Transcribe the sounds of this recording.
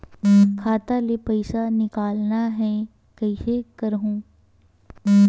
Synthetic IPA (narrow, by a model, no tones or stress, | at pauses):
kʰaːt̪alepɐɪsanɪkaːlnaɦɛ̃ | kɐɪsekɐɾɦũː